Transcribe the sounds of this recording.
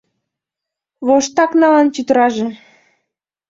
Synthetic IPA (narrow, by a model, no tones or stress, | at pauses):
βoʃt̪ɑknɑlɑnt͡ɕyt̪əɾɑʒe